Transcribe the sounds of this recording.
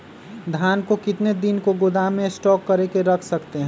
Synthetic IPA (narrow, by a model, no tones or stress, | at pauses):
d̪ʱjaːnkokɪt̪ned̪ɪnkoɡod̪aːmẽsʈɔːkːɐɾekeɾɐkʰsɐkt̪eɦɛ̃ː